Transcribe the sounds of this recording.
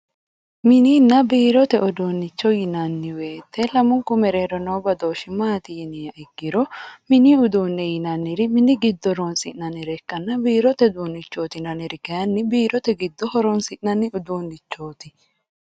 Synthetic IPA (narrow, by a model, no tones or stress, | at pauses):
mɪniːnːɐbiːɾɔt̪ɛʔɔd̪oːnːɪt͡ʃːɔjɪnɐnːɪweːt̪ʰːɛlɐmʊŋkʊmɛɾeːɾɔnɐwbɐd̪oːʃɪmaːt̪ɪjɪnɪjɐʔɪɡːɪɾɔmɪniʊd̪uːnːɛjɪnɐnːɪɾɪmɪnɪɡɪd̪ːɔɾonsɪʔnɐnɪɾɛkːɐnːɐbiːɾɔt̪ɛd̪uːnːɪt͡ʃːo̞ːt̪ɪnɐnɪɾɪkɐjɐnːɪbiːɾɔt̪ɛɡɪd̪ːɔhɔɾɔnsɪʔnɐnːɪʊd̪oːnːɪt͡ʃːoːt̪ɪ